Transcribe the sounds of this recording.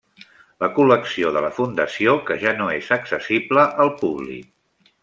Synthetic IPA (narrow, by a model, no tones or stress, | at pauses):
ləkuləksioðələfund̪əsiokəʒanoezəksəsibləʔəlˠpuβlḭk̚